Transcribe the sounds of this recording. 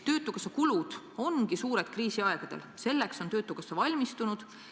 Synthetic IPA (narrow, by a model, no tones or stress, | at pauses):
t̪ø̞ːt̪ːˑukɑsːɑkulud̪̥ | o̞nɡ̥isuːɾe̞d̪̥kriːsiɑeɡ̥ɑd̪̥else̞lːekso̞nt̪ø̞ːt̪ːˑukɑsːɑvɑlʲmist̪unud̪̥